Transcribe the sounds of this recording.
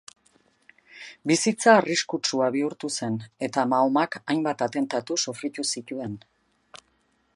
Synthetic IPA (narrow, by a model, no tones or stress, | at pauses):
bisit͡saːriskut͡ʃuaβiuɾt̪use̞ne̞t̪amaomakajmbat̪at̪e̞nt̪at̪usofɾit̪usit̪ue̞n